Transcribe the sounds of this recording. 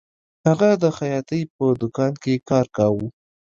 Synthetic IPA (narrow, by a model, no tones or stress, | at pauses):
haɣad̪əxajɑt̪əjpəd̪ʊkɑnkekɑɾkawu